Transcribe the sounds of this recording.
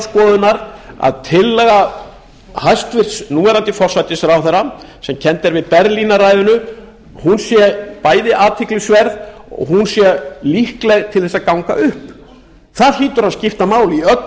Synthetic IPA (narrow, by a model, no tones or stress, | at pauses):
skɔːðʏnaɾa̰ðt̪ʰɪlːɛːɣa | hajst̪vɪr̥snuːɛɾant̪ɪfɔr̥sajt̪ɪsɾawθɛɾa | sɛmcʰɛnt̪ɛɾvɪðpɛɾlinaraːjðʏnʏ | hunsjɛpaːjðɪʔaːt̪ʰɪklɪsvɛɾðɔ̰ɣhɦunsjɛlihklɛɣt̪ʰɪlθɛsakawŋka̰ʔʏhp | θaɾliːt̪ʏɾaðscɪft̪amaːwliœt̪